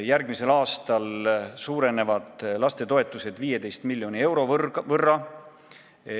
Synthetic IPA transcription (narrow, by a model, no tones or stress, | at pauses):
jærɡmise̞lɑːst̪ɑlsuːɾe̞ne̞vɑd̪̥lɑst̪e̞t̪o̞e̞t̪ːˑuse̞d̪̥viːje̞d̪e̞jst̪milʲjo̞nie̞wɾo̞vɤrːɑ